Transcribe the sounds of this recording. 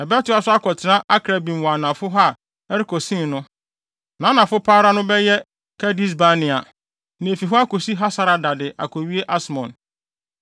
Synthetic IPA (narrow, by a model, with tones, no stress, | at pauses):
ɛ˨bɛ˦tʊ˨˦a˨sʊ˦a˦kɔ˨tʰɪ˨nã˦ʔa˦kʰɾa˨bĩ˨m˨wɔ̃˨a˨nã˨fʊ˦ɦa˦˨ | ɛ˦ɾɪ˦kʰɔ˨sĩ˦nnʊ̃˦ | nã˨˦nã˨fʊ˦pʰaː˦ɾa˦nʊ̃˦bɛ˦jɛ˦ | kʰɛ˦di˦s̬ba˦nɪ̃˨a˨ | nɪ̃˨e˨fi˨ɦɔ˦a˦ko˨si˦ɦa˦sa˨˦ɾa˨da˨dɪ˨ʔa̰˨kʰɔ˨ɥi˦e˦ʔa˦smɔ̰̃˨n